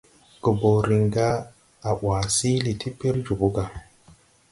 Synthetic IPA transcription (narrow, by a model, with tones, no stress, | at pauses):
kə˨bo˨ɾi˨ŋɡa˦ | a˨ʔwa˨si˦li˨tʰi˦pi˦ɾd͡ʒu˨bu˦ɡa˨